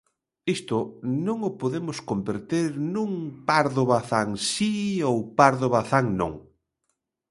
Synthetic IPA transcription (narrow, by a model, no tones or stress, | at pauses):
ist̪ʊnõŋʊpoðemʊskombeɾt̪eɾnũŋpaɾðoβaθaŋsiowpaɾðoβaθaŋnõ̰ŋ